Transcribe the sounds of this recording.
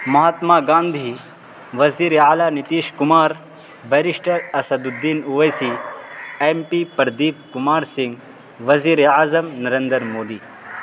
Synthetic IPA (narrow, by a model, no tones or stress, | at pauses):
mɐɦat̪maːɡãːnd̪ʱiː | ʋɐziːɾeaːlaːnit̪iːʃkumaːɾ | bɐɾiʂʈɐɾɐsɐd̪ud̪ːiːnuʋɐjsiːeːmpipɐɾd̪iːpkumaːɾsɪŋɡ | ʋɐziːɾeaːzɐmnɐɾẽnd̪əɾmoːd̪iː